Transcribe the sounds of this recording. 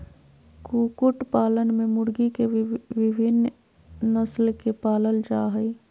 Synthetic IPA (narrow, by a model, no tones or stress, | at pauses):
kuːkʊʈpaːlənmẽmʊɽɡikeʋɪbʱɪn | nəslkepaːləld͡ʒaːɦəi